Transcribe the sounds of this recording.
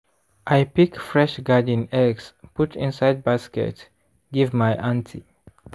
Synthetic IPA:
ʔajpikfɹɛʃɡadə̃nɛɡsputʰɪ̰̃nsajd̚baskɛ̰t | ɡivmajʔãntʰi

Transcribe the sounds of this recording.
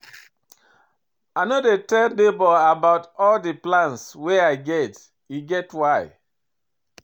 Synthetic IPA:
anodetɛldebɔabaʊtɔldiplãnsweaɪɡɛt | iɡɛtwaɪ

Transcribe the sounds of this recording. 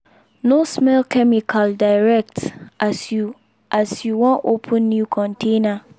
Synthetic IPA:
nosmɛlkʰɛmikʰaldaɪɹɛk̚t | ʔasjuwɔ̃nʔopʰə̃nːjukʰɔ̃ntʰẽna

